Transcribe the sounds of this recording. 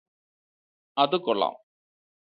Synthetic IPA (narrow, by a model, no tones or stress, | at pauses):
ɐðɨkːɔɭːa̰ːm